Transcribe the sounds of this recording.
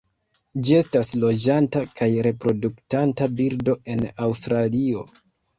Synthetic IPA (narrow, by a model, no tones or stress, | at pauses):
d͡ʒie̞staslo̞d͡ʒantakajɾe̞pɾo̞duktantabiɾdo̞e̞nawstɾalio̞